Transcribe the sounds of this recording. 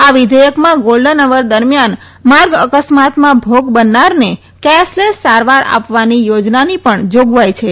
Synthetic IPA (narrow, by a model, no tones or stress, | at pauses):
aʋɪd̪ʱəjəkmãɡolɖənəʋəɾd̪əɾmjan | maɾɡəkəsmat̪mãbʱoɡbənːaɾne | kɛslesaɾʋaɾa̰pʋanijod͡ʒnanipəɳd͡ʒoɡʋajt͡ʃʰe